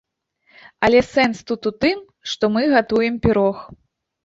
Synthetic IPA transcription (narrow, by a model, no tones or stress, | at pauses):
ɐlʲɛsɛnst̪ut̪ut̪ɨm | ʂt̪ɔmɨɣat̪ujɛmpʲiɾɔx